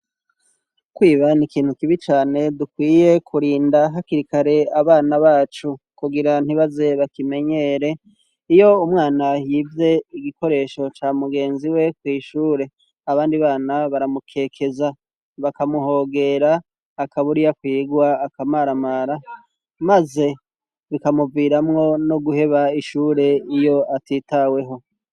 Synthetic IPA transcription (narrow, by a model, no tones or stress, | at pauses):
kwiːβanikiːn̥hukiβit͡ʃaːne̞dukwiːje̞kʰuɾiːndaɦakiɾikaɾe̞aβaːnaβaːt͡ʃu | kuɡiɾan̥iβaze̞βakime̞ɲe̞ːɾe̞ | ijo̞umŋaːnajiːvje̞iɡiko̞ɾe̞ːʃo̞t͡ʃaːmuɡe̞ːnziwe̞kwiːʃuːɾe̞ | aβaːndiβaːnaβaɾamukʰe̞ːkʰe̞za | βakamuɦo̞ːɡe̞ɾaː | kaβuɾijakwiːɡwaːkamaɾamaːɾa | maze̞ | βikamuvɡiːɾamŋo̞no̞ɡuhe̞βaiʃuːɾe̞ijo̞atiːtawe̞ɦo̞